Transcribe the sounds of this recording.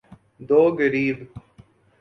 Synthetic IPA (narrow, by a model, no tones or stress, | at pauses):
d̪oːɡəɾiːb